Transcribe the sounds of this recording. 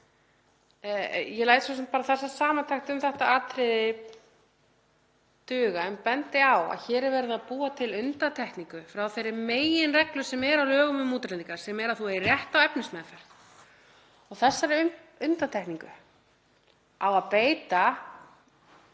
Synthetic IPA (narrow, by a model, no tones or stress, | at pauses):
jɛlaːjt̪sɔsɛmt̪paːɾaθɛsːasaːmant̪ʰaxt̪ʏmθɛht̪aaːt̪ɾɪðɪ | t̪ʏːɣaɛmpɛnt̪ɪawa̰ðçɛːɾɛɾvɛɾɪðaðpuːat̪ʰɪlʏnt̪at̪ʰɛhkniŋkʏfɾawθejɾːɪɾmeːjɪnrɛklʏ̥sɛmɛɾawlœːɣʏmʏmːuːt̪ɾlɛniŋkaɾ̥sɛmɛɾaðθuɛrjɛht̪awɛpnɪsmɛðafɛɾ̥t̪ | ɔɣθɛsːaɾʏʏnt̪at̪ʰɛhkniŋkʏ̰ | awaðpeːjt̪a